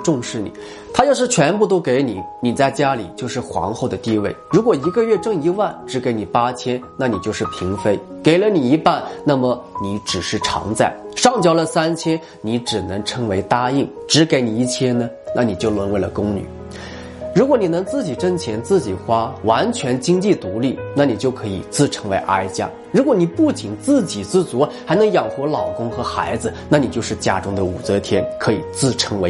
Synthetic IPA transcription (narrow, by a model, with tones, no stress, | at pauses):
ʈ͡ʂʊ˥˧ŋʂɻ̩˥˩nḭ˨˩˦ | t̪ʰa˥jo˥˧ʊʂɻ̩˥˩t͡ɕʰɥɛ˧˥npu˥˧t̪o˥ʊke˧˥ɪni˨˩˦ni˨˩t͡sa˥˩ɪt͡ɕja˥li˨˩t͡ɕjo˥˧ʊʂɻ̩˥˩xwɑ̰˧˥ŋxo˥˩ʊd̪ə˩t̪i˥˧wḛ˥˩ɪɻu˧˥kwɔ˨˩i˧˥ɡə˧ɥɛ˥˧ʈ͡ʂɤ˥˩ŋi˧˥wa˥˩nʈ͡ʂɻ̩˧˥ke˧˥ɪni˨˩pa˥t͡ɕʰjɛ˥nna˥˩ni˨˩t͡ɕjo˥˧ʊʂɻ̩˥˩pʰi˧˥ŋfe˥ɪke˨˩ɪlə˦ni˨˩i˧˥pa˥˩nna˥˩mə˩ni˧˥ʈ͡ʂɻ̩˨˩ʂɻ̩˥˩ʈ͡ʂʰɑ̰˧˥ŋt͡sa˥˩ɪʂɑ˥˧ŋt͡ɕjɑ˥˩ʊlə˨sa˥nt͡ɕʰjɛ˥n | ni˧˥ʈ͡ʂɻ̩˨˩nɤ˧˥ŋʈ͡ʂʰɤ˧˥ŋwe˧˥ɪt̪a˥i˥˩ŋ | ʈ͡ʂɻ̩˧˥ke˧˥ɪni˨˩i˥˩t͡ɕʰjɛ˥nnə˨ | na˥˩ni˨˩t͡ɕjo˥˩ʊlwə˧˥nwɪlə˨˩kʊ˥ŋny̰˨˩˦ | ɻu˧˥kwɔ˧˥ni˨˩nɤ˧˥ŋt͡sɹ̩˥˩t͡ɕi˨˩ʈ͡ʂə˥˧nt͡ɕʰjɛ˧˥nt͡sɹ̩˥˩t͡ɕi˨˩xwa˥wa˧˥nt͡ɕʰɥɛ˧˥nt͡ɕi˥ŋt͡ɕi˥˩t̪u˧˥li˥˩na˥˩ni˨˩t͡ɕjo˥˩ʊkʰɤ˧˥i˨˩t͡sɹ̩˥˩ʈ͡ʂʰɤ˧˥ŋwe˧˥ɪʔa˥ɪt͡ɕja̰˥ | ɻu˧˥kwɔ˧˥˦ni˨˩pu˥˩t͡ɕi˨˩ŋt͡sɹ̩˥˩t͡ɕi˨˩t͡sɹ̩˥˩t͡swɔ˧˥xa˧˥ɪnɤ˧˥ŋjɑ˨˩ŋxwɔ˧˥lɑ˨˩ʊkʊ˥ŋxɤ˧˥xa˧˥ɪd͡zɹ̩˧na˥˩ni˨˩t͡ɕjo˥˧ʊʂɻ̩˥˩t͡ɕja˥ʈ͡ʂʊ˥ŋd̪ə˨ṵ˨˩t͡sɤ˧˥t̪ʰjɛ̰˥nkʰɤ˧˥ḭ˨˩t͡sɹ̩˥˩ʈ͡ʂʰɤ˧˥ŋwe˧˥ɪ